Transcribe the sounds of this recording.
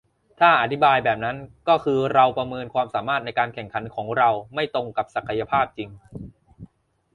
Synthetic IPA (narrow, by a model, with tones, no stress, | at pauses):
t̪ʰaː˥˩ʔa˨˩t̪ʰi˦˥baː˧jbɛː˨˩p̚na˦˥nkɔː˥˩kʰɯː˧ɾa˧wpɾa˧mɤː˧nkʰwaː˧msaː˩˦maː˥˩t̪̚na˧jkaː˧nkʰɛ˨˩ŋkʰa˩˦nkʰɔː˩˦ŋɾa˧wma˥˩jt̪o˧ŋka˨˩p̚sa˨˩kʰa˧ja˧pʰaː˥˩p̚t͡ɕi˧ŋ